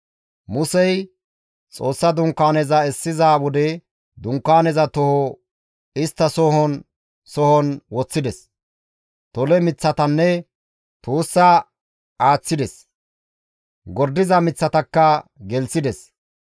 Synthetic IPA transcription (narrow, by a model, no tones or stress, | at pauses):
mʊsɛj | t͡sʼoːsːɐd̪ʊŋkːaːnɛzɐɛsːɪzawɔd̪ɛ | d̪ʊŋkːaːnɛzɐt̪ɔhɔ | ɪst̪ːɐsɔhɔn | sɔhɔnwɔt͡sːɪd̪ɛs | t̪ɔlɛmɪt͡sːɐt̪ɐnːɛ | t̪uːsːɐ | ʔaːt͡sːɪd̪ɛs | ɡɔɾd̪ɪzɐmɪt͡sːɐt̪ɐkːɐɡɛlsɪd̪ɛs